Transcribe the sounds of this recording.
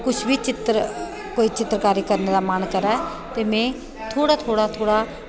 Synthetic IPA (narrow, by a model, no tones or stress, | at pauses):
kʊt͡ʃʰbiːt͡ʃɪt̪ɾ | koːiːt͡ʃɪt̪ɾəkaːɾiːkəɾneːd̪aːmankəɾaɛ | t̪eːmɛ̃ː | t̪ʰoːɽaːt̪ʰoːɽaːt̪ʰoːɽaː